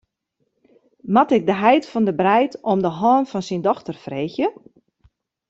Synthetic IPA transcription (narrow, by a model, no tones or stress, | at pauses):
matɪk̚dəɦɛjtfɔndəbrɛjtɔmdəɦɔːnfɔnsindɔxtərfreːxjə